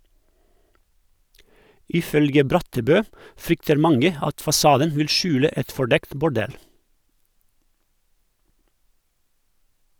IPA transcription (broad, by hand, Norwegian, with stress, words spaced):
ɪˈfœlɡə ˈbɾɑtəˌbøː ˈfɾʏktəɾ ˈmɑŋə ˈɑt fɑˈsɑːdən ˈʋɪl ˈʃʉːlə ˈɛt fɔˈɖɛkt bʊˈɖɛl